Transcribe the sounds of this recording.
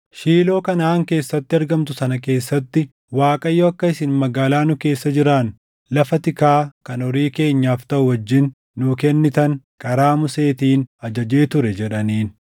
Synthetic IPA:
ʃiːlo̞ːkɐnaːŋke̞ːsːɐt̪ːɪɐɾɡɐmt̪ʊsɐnɐke̞ːsːɐt̪ːɪ | waːkʼɐjːoːɐkːɐɪsɪnmɐɡaːlaːnʊke̞ːsːɐd͡ʒɪɾaːn | lɐfɐt̪ɪkaːkɐnɔɾiːke̞ːɲːaːft̪ɐʔʊwɐd͡ʒːɪnː | ʊkɛnːɪt̪ɐŋ | kʼɐɾaːmʊse̞ːt̪iːnɐd͡ʒɐd͡ʒeːt̪ʊɾɛd͡ʒɛᶑɐniːn

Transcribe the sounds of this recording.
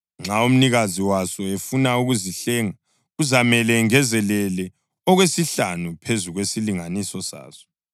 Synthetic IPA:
ŋ͡ǁʱaum̩niɣaziwasɔefunauɣuziɬɛːŋa | uzamɛlɛŋɛzɛlɛlɛ | ɔɣwesiɬanupʰezuɣwesiliŋanisɔsa̰ːz̥ɔ̥

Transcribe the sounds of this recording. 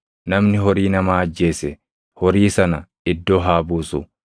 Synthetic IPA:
nɐmnɪɦɔɾiːnɐmaːɐd͡ʒːe̞ːsɛ | hɔɾiːsɐnɐ | ɪd̪ːoːɦaːbuːsʊ

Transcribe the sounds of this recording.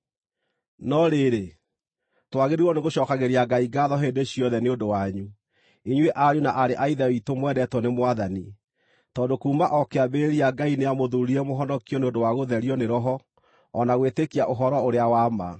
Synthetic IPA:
nɔɾeɾe | twaɣeɾiwɔneɣoɕɔkaɣeɾiaɡaiɡaðɔɦedeɕiɔðɛneondowaɲu | iɲweʔaɾjunaʔaɾeʔaiðɛitomwɛdɛtwɔnemwaðani | tɔːndokuːmaʔɔkeabeɾiaɡaineamoðuɾiɾɛmoɦɔnɔkijɔneondowaɣoðɛɾiɔneɾɔɦɔ | ɔnaɣwetekiaʔoɦɔɾɔoɾeawama̰

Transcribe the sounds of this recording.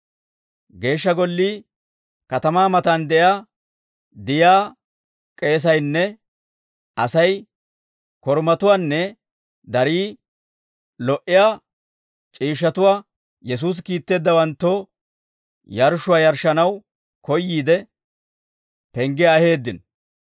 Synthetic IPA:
ɡe̞ːʃːɐɡɔlːiː | kɐt̪ɐmaːmɐt̪and̪ɛjaː | d̪ɪjaː | kʼe̞ːs̬ɐjnːɛ | ʔɐsɐj | kɔɾmɐt̪ʊwaːnːɛ | d̪ɐɾiː | lɔʔɪjaː | t͡ʃʼiːʃːɐt̪ʊwaː | jɛs̬uːs̬kiːt̪ːe̞ːd̪ːɐwɐnt̪ːo | jɐɾʃʊwaːjɐɾʃːɐnɐw | kɔjːiːd̪ɛ | pɛŋɡɪjaːhe̞ːd̪ːɪn

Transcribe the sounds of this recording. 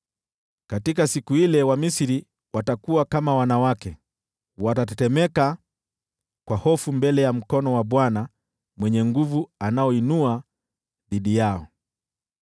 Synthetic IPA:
katikasikuilɛwamisiɾi | watakuakamawanawakɛ | watatɛtɛmɛka | kwahɔfumbɛlɛjam̩kɔnɔwaɓwana | mwɛɲɛŋɡuvuanaɔinua | ðiɗijaɔ

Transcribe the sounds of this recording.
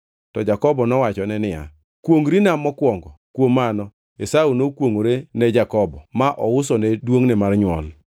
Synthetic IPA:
tɔd͡ʒakɔbɔnɔwat͡ʃɔnɛnɪja̰ | kwoŋɾinamːɔkwɔŋɡɔkwomanɔ | esaunokwoŋoɾenɛd͡ʒakɔbɔmaʔɔʊsɔnɛdwoŋnɛmarɲwɔl

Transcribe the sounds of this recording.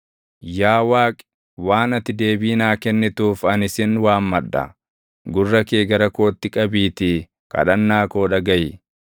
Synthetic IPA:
jaːwaːkʼɛ̥ | waːnɐt̪ːɪd̪e̞ːbiːnaːkɛnːɪt̪uːfɐnɪsɪnwaːmmɐᶑːɐ̰ | ɡʊrːɐkeːɡɐɾɐko̞ːt̪ːɪkʼɐbiːt̪ɪ | kʼɐ̰ᶑɐnːaːko̞ːᶑɐɡɐj

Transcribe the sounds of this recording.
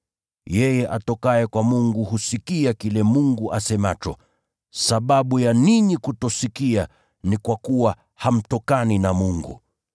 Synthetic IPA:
jɛjɛʔatɔkaɛkwamuŋɡuhusikiakilɛmuŋɡuʔasɛmat͡ʃɔ̰ | saɓaɓujaniɲikutɔsikia | nikwakuwa | ham̩tɔkaninamuŋɡṵ

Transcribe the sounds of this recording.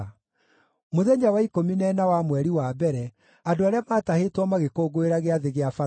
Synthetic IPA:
moðeɲawaikominɛnawamwɛɾiwabɛɾɛ | adoaɾeamaːtahetwɔmaɣekoːɡoeɾaɣeaðeɣeafa

